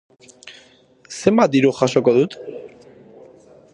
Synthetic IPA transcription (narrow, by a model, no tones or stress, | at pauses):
se̞mbat̪̚d̪iɾuxaso̞ko̞ðut̪